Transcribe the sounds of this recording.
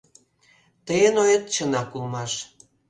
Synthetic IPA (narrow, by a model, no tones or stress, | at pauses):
t̪əjənojət̪̚t͡ɕənɑkulmɑʃ